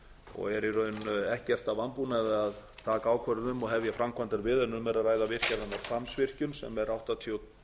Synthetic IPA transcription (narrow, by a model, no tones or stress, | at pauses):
ɔ̰ɣɛɾiɾœɥnɛhcɛr̥t̪avanpunaðɪaðt̪ʰaːkaaːwkʰvɛɾʏnʏmɔɣɦɛvjɛfɾamkʰvant̪aɾvɪðœnːʏmːɛɾaðraːjðavɪr̥caɾðanːaɾsamsvɪr̥cʏnsɛ̰mɛɾʔawht̪at̪ʰjow